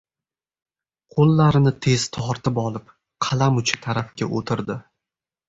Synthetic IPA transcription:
qʰolˠːaɾɪnɪt̪ʰe̞z̥t̪ʰɒɾt̪ʰɪpɒlˠɪp | qʰɑlamʊt͡ʃʰɪ̥t̪ʰaɾafkʲa̰ʔot̪ʰɪɾd̪ɪ

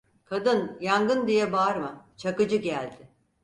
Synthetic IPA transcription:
kʰad̪ɯnjaŋɡɯnd̪ijɛbaɾmat͡ʃʰakɯd͡ʒɯɟælʲd̪ɪ

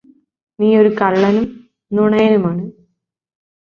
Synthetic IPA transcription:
niːo̞ɾukɐɭːɐnum | nuɳɐjɐnumaːɳɨ

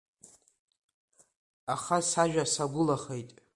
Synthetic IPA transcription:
aχasaʒᶣasaɡʷʊlaχe̞jtʼ

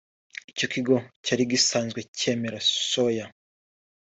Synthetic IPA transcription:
ico̞kiɡo̞caɾiɡisaːnzɡwe̞ce̞ːme̞ɾasoja

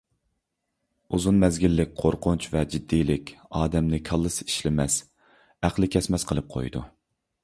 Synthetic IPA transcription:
uzunmɛzɡʲilːɪk̚ʲqʰoɾqʰʊnt͡ʃvɛd͡ʒid̪ːijlɪkʲɑːd̪ɛmnɪkʲʰɑlˠːɨsi̥ʃlɪmɛs | æχlˠɪkʲʰɛsmɛsqʰəlˠɨp̚qʰo̰jd̪ṵ

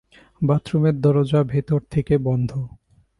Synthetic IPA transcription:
bat̪ɾumeɾd̪ɔɾod͡ʑabʱet̪oɾt̪ʰekebɔnd̪ʱo

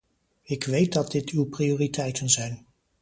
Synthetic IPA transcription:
ɪkʋejt̚dɑt̚dɪtʰywprioːritʰɛjtənzɛjn

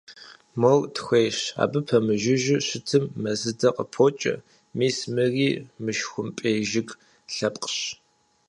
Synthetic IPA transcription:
mortʰxʷeːɕa̰ːbɨpʰɐmɨʒɪʒɪɕɪtʰɨmːɐzɨdɐqʼəpʰoːt͡ʃʼɐ̰ | miːsmɨriːmɨʃxʷʊmpʼeːʒɪɡ | ɬɐpʼqəɕ

